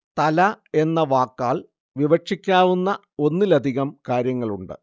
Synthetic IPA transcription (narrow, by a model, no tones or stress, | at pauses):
t̪ɐlɐe̞nːɐʋaːkːaːɭ | ʋiʋɐʈʂikʲːaːʋunːɐ | o̞nːilɐd̪ʱiɣɐmkaːɾjɐŋːɐɭuɳɖɨ̰